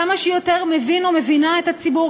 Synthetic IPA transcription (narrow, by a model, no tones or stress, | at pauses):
amaʃejot̪e̞ʁme̞vinome̞vinaet̪hat͡sibu